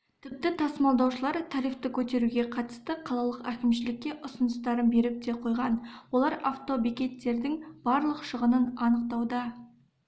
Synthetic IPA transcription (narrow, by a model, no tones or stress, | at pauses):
t̪ʰɪp̚t̪ɪt̪ʰɑsmɑlˠd̪ɑwʃəlˠɑɾt̪ʰɑɾijft̪əkʲʰɵt̪e̞ɾuɡʲe̞qʰɑt̪ə̥st̪əqʰɑlˠɑlˠəqækʲɪmʃɪlɪkʲːe̞ʔʊsʊnəst̪ɑɾənbe̞ɾɪp̚d̪e̞qʰo̞jʁɑnwo̞lˠɑɾʔaft̪o̞bikʲe̞t̪ːe̞ɾd̪ɪŋb̥ɑɾlˠəqʃəʁənənɑnəq̚t̪ɑwd̪ɑ